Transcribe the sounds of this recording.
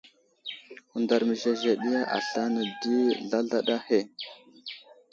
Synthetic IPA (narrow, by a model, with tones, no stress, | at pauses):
u˨nda˨ɾmə˨ʒe˨ze˨ɗi˦ja˦ʔa̰˨ɬa˦nə˨di˦ɮa˦ɮa˦ɗa˦he˦˨